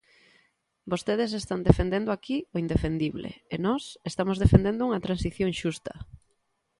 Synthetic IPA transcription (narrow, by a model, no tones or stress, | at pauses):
bost̪eð̞es̬est̪and̪efend̪end̪oakioind̪efend̪iβlḛenɔsest̪amozð̞efend̪end̪ʊuŋɐt̪ɾansiθjõŋʃust̪ɐ